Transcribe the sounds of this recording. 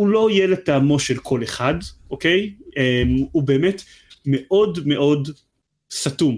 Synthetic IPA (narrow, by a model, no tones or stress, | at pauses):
ulo̞jelet̪aːmo̞ʃelkʰo̞leχadʔoke̞jemubeːmet | meʔo̞dme̞ʔo̞d | satum